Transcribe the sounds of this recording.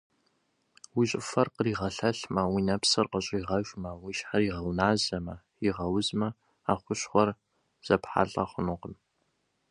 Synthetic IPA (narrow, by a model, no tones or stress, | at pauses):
wiɕʼɪfɐrqəriːʁɐɬɐɬmɐwinɐpsɨrqəɕʼiːʁɐʒʼmɐwiʃħariːʁɐwnaːzɐmɐ | iʁɐwʊzmɐ | aːχʷʊɕχʷɔr | z̥ɐpħa̰ːɬʼɐ̰χʷʊnʊqəm